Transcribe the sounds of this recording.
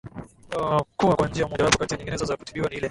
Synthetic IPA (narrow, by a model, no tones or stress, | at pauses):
kuwakwaɲnd͡ʒiaumɔʄawapɔkatiaɲiŋɡinɛzazakutiɓiwaniilɛ